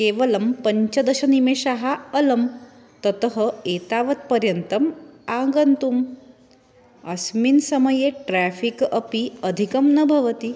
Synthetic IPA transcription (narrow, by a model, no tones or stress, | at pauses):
keʋɐlɐmpəɲt͡ɕɐd̪ɐɕɐnimeɕaɦaəlɐm | t̪ət̪ɦəet̪aʋɐt̪̚pəɾjənt̪ɐmãŋɡənt̪um | asminsɐməjeʈɾæfikəpiəd̪ʱikɐmnɐbʱɐʋət̪i